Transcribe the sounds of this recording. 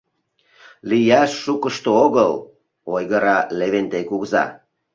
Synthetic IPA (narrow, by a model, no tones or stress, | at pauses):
lijɑʃːukəʃt̪ooɣəl | ojɣəɾɑleβent̪ekuɣzɑ̰